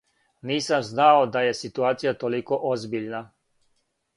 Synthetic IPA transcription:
niːsamznaod̪ajesit̪uaːt̪sijat̪olikoʔozbiʎna

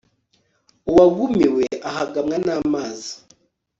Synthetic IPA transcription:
uwaɡumiweaɦaɡamŋanaːmaːzi

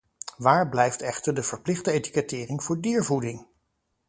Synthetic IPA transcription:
ʋaːɹblɛjftɛχtəɹdəv̥əɹplɪχdəejti̥kɛtɪːrɪŋvʊːɹdiːɹvudɪŋ

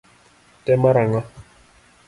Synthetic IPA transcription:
tɛmaɾaŋa

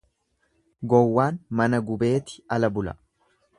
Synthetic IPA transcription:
ɡɔwːaːnmɐnɐɡʊbe̞ːt̪ɪ̥ɐlɐbʊlɐ̰

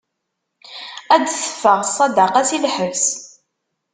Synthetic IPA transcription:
æd̪sə̥fəʁsˤːɑd̪ɑqɑsilħəvs

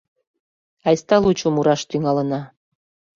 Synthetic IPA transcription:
ɑjst̪ɑlut͡ɕumuɾɑʃt̪yŋɑlə̆nɑ

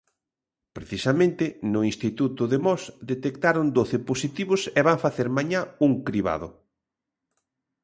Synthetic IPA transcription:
pɾeθisamẽnt̪ɪnʊinst̪it̪ut̪ʊðemɔsd̪et̪ekt̪aɾʊnd̪oθɪposit̪iβʊsɛβaŋfaθeɾmaɲauŋkɾiβa̰ðʊ

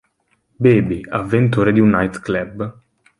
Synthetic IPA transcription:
beːbiavːent̪uːɾed̪iunːajt̪klɛb

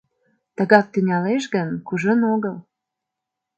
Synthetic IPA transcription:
t̪əɣɑk̚t̪ynʲɑleʃɣənkuʒənoɣəl

